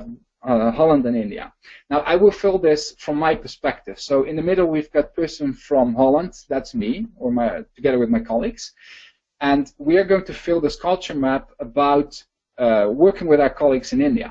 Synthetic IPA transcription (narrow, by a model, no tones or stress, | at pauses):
hɑlˠə̃ndɨ̃nɪ̃ndiɨ̰ | naʊʔaɪwɪlˠfɪlˠðɪsfɹʌ̃mːaɪpə˞spɛk̚tɨv̥soʊʔɪ̃nðɨmɪɾl̩ˠwivɡɑt̚pʰɜ˞sə̃nfɹʌ̃mɦɑlˠə̃ndðætsmiə˞maɪtʰɨɡɛðə˞wɨðmaɪkʰɑlˠiɡz̥ | ɨ̃nwiə˞ɡoʊɪ̃ŋtʰɨfɪlˠðɪskʰʌlˠt͡ʃə˞mæpəbaʊt | wɜ˞kɪ̃ŋwɨðaʊə˞kʰɑlˠiɡzɨ̃nɪ̃ndiɨ̰